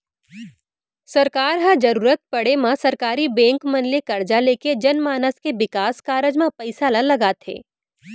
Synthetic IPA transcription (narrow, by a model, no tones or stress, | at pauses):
sɐɾkaːɾɦãd͡ʒɐɾuːɾət̪̚pɐɽemãsɐɾkaːɾibɛ̃ːŋkmɐnlekɐɾd͡ʒaleːked͡ʒɐnmaːnəskeʋɪkaːskaːɾəd͡ʒmãpɐɪsaːlãlɐɡaːt̪ʰḛː